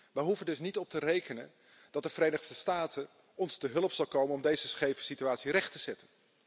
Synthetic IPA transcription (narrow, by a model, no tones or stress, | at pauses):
ʋəjɦuvəndɵsnitɔp̚tərejkənən | d̥ɑt̚dəvərejnəχsəstaːtə | ɔnstəɦɵlˠəpsɑlˠkowmənɔmdejzəsχejvəsityaːtsirɛχtəz̥ɛtən